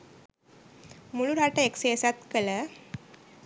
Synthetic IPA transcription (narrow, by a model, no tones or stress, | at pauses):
muluɾaʈəekseəsat̪kələ